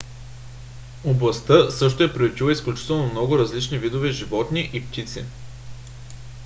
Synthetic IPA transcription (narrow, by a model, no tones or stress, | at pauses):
oblˠɐst̪ɤsɤʃt̪oɛpɾiut͡ʃilˠəisklʲut͡ʃi̥t̪ɛlˠnomnɔɡʊɾɐzlit͡ʃnivid̪ovɛʒivɔt̪niʔipt̪it̪sḭ